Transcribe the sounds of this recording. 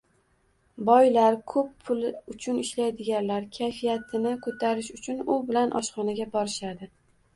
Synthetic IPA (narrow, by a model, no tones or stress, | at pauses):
bɒjlaɾkʰɵpːʰʊlʊt͡ʃʰʊnɪʃlajd̪ɪɡʲanlaɾkʲʰajfijat̪ʰɪnɪkʰɵt̪ʰaɾɪʃʊt͡ʃʰʊnʊbɪlanʔɒ̰ʃχɒnaɡʲabɒɾɪʃad̪ɪ